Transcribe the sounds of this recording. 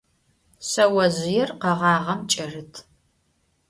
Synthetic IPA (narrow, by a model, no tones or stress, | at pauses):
sɐwɐzɪjɛrqɐʁɑːʁɐmt͡ʃʼɐrɨtʰ